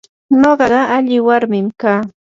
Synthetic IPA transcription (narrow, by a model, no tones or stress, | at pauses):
noɢɑɢɑaʎɪwaɾmɪmkaː